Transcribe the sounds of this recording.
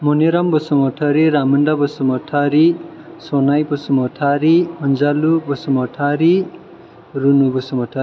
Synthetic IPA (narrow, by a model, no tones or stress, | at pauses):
mɔniɾambɔsɔmɔʈʰaɾiɾamuɳɖabʌsɔmɔʈʰaɾi | sɔnajbʌsɔmɔʈʰaɾimʌnd͡zalubɔsɔmɔʈʰaɾi | ɾunubɔsɔmɔʈʰai